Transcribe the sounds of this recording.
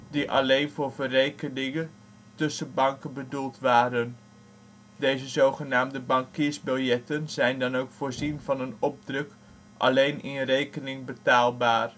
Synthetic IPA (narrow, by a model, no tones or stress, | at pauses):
diʔɑ̰lejnvʊːrvərejkənɪŋən | tɵsənbɑŋkənbədulˠtʋaːɾən | dejzəzowχənaːmdəbɑŋkɪːɹzbɪlˠjɛtənzɛjndɑnowkfʊːɹzinvɑnənɔb̚drøk | ʔɑ̰lejnɪnrejkənɪŋbətaːlˠbaːr